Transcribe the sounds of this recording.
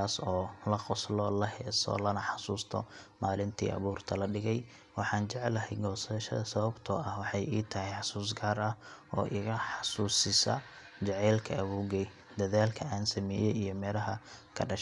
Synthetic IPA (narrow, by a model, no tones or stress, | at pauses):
aːsɔːlɐqɔslɔlɐɦɛːsɔ̰ːlɐnɐħɑsuːst̪ʰɔ̰maːlɪnt̪ʰḭːʔɐ̰βuːrt̪ʰɐlɐɖɪɣɛj | wɑħɑːnt͡ʃɛʕɛlɐɦɛjɡɔːsɐʃɐðɐsɐβɐbt̪ʰɔɐhwɑħɑjʔiːt̪ʰɐɦɛjħɑsuːs̬ɡaːrɐhɔ̰ːʔɪɣɐħɑsuːsɪsɐ̰ | t͡ʃɛʕɛlkʰɐʔːβuːɣɛj | d̪ɐðaːlkʰɐaːnsɐmɛːjɛijɞmɛːlɐɦɐkʰɐɖɐʃ